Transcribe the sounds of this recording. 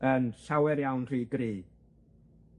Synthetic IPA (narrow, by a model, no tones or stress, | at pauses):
ənɬawɛɾjawnr̥iːɡɾiː